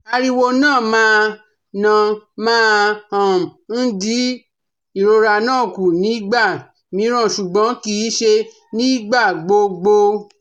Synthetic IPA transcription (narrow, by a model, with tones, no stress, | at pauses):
a˧ɾi˧wo˧nãː˦˨mãː˦ | nã˧mãː˦hã˨m̩˨n̩˦di˦ | i˦˨ɾo˧ɾa˧˨nãː˦˨ku˨nĩ˨˦ɡ͡ba˦˨ | mĩ˨˦ɾ̃ã˦˨ʃu˨ɡ͡bɔ̃˨˦ki˦ʃe˧ | nĩ˦ɡ͡ba˦˨ɡ͡bo˧ɡ͡bo˧